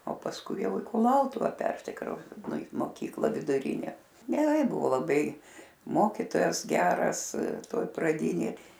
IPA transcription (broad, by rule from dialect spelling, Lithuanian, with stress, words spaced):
oː pɐsˈkʊɪ ˈjɛʊ ɪ kʊˈlˠɐʊtʊʋɐ ˈpʲɛrʲsʲɪkrɐʊs ɪ moːˈkʲiːklˠɑː ʋʲɪdʊˈrʲiːnʲæː ɡʲɛˈrɐɪ ˈbʊʋoː lˠɐˈbɐɪ ˈmoːkʲiːtoːjɛs ˈɡʲæːrɐs ˈtoːj prɐˈdʲiːnʲeːj